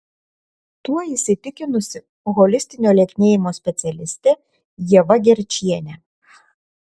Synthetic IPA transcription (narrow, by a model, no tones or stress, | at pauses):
t̪uɔisʲɪt̪ʲɪkʲɪnʊsʲɪ | ɣɔlʲɪsʲt̪ʲɪnʲoːlʲɛkʲnʲeːjɪmoːsʲpʲɛt̪sʲɛlʲɪsʲt̪ʲɛ | jiɛʋɐɡʲɛɾʲt͡ʃʲiɛnʲɛ